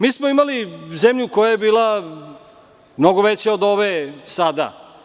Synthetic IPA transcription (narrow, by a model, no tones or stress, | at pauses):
miːsmoimalizemʎuko̞jajebiːla | mno̞ɡoʋet͡ɕeod̪o̞ʋesad̪a̰